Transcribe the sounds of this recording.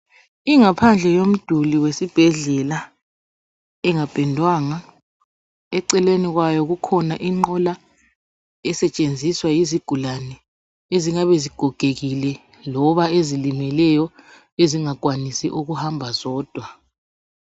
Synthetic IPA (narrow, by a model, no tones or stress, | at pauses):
iŋapʰand͡ɮʱɛjom̩d̥ʱuliwesib̥ʱɛɮɛla | ɛŋab̥ʱɛndʱwaŋa | ɛǀɛleniɣwajɔɣukʰɔnaʔiŋ͡ǃɔla | ɛsɛt͡ʃʼend͡zʱiswajiziɡ̥ʱulanɛ | eziŋaβeziɡ̥ʱɔɡ̥ʱeɣilɛ | lɔβaezilimɛlɛjɔ | eziŋak̬ʼwanisḭʔuɣuhambʱazɔːd̥ʱwa